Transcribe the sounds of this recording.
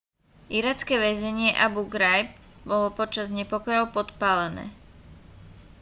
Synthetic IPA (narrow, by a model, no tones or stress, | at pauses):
iɾat͡skɛʋɛzɛɲɪɛʔabuɡɾajb̚bɔlɔpɔt͡ʃazɲɛpɔkɔjɔʊpɔt̪paːlɛnɛ̰ː